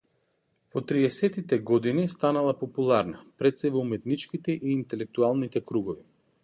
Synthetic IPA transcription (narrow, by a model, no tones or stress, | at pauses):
pɔt̪ɾiɛsɛt̪it̪ɛɡɔd̪inist̪analˠapɔpulˠaɾnapɾɛt̪sɛvɔumɛt̪nit͡ʃkit̪ɛʔiːnt̪ɛlɛk̚t̪ualˠnit̪ɛkɾuɡɔvi